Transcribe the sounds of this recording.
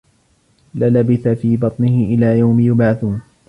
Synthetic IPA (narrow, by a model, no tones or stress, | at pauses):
lalabɪθafiːbɑt̪ˤnɪhɪʔɪlaːjawmɪjʊbʕaθuːn